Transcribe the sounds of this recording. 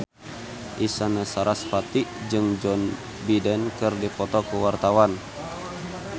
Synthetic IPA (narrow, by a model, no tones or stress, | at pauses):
ʔisanasaɾasfat̪id͡ʒɨŋd͡ʒɔn | bidɛnkɨrdipɔt̪ɔkuwart̪awan